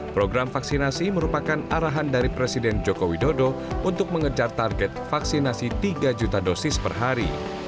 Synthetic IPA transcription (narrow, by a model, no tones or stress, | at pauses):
pɾoɡɾamfaksinasiməɾupakanaɾaɦandaɾipɾesidɛnd͡ʒokowidodo | unt̪ʊk̚məŋəd͡ʒart̪arɡɛt̪̚faksinasit̪iɡad͡ʒut̪adosɪspərɦaɾḭ